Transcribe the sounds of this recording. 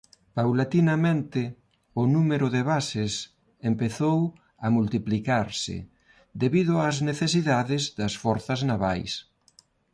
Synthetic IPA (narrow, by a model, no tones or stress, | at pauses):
pawlat̪inɐmẽnt̪ɪ | ʊnumeɾʊðeβasɪs | empeθow | ɐmult̪iplikaɾsɪ̰ | d̪eβiðʊazneθesiðaðɪzðɐsfɔɾθɐznaβa̰js